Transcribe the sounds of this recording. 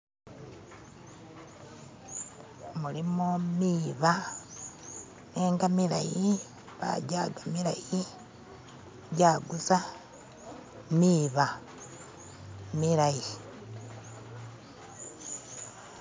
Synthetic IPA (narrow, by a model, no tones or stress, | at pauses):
mulimomiβa | neːŋɡamila̰ji | βa̰ɟaɡamilaji | ɟaɡusa | miβa | milaji